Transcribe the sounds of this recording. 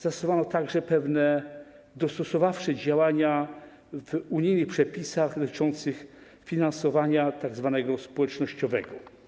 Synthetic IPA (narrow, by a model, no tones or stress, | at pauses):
z̥asuvanɔt̪aɡʐɛpɛvnɛ | d̪ɔst̪ɔsɔvafʂɛd͡ʑawaɲa | vuɲijnɘxpʂɛpʲisaɣd̪ɔt̪ɘ̥t͡ʂɔnt̪sɘx | fʲinansɔvaɲat̪aɡzvanɛɡɔspɔwɛt͡ʂnɔɕt͡ɕɔvɛ̰ɡɔ